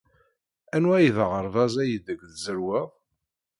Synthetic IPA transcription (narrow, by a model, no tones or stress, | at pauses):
ænwæjðəʁəɾˤvɑzæjəd̪əɡðzəɾwɪðˤ